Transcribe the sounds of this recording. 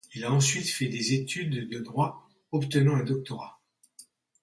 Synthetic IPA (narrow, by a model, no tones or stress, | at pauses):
ilaɑ̃sɥit̪fɛd̪ezet̪yd̪ːəd̪ʁwa | ɔpt̪ənɑ̃ɛ̃d̪ɔk̚t̪ɔʁa